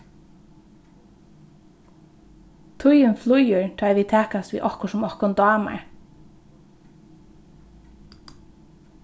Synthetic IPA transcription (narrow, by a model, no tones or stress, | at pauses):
t̪ʰʊjʏnflʊjʏɹt̪ʰaːjʋiːt̪ʰɛːkast̪vḭːʔɔhkʊsʊmɔhkʊnd̪ɑːma̰ɹ